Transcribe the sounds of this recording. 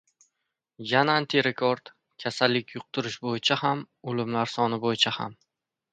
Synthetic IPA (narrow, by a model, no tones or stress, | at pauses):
janaant̪ʰiɾekʰoɾd̪̥ | kʲʰasalːɪkʲʰjʊq̚t̪ʰʊɾɪʃbojɪt͡ʃʰaham | ʊlɪmlaɾsɒnɪbojɪt͡ʃʰaha̰m